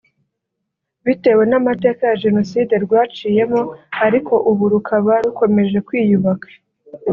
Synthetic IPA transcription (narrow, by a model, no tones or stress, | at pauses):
βite̞we̞namate̞ːkajaʒe̞no̞siːde̞ɾɡwaːt͡ʃiːje̞moaɾiko̞ʔuβuɾukʰaβaɾuko̞me̞ʒe̞kwiːjuβakḁ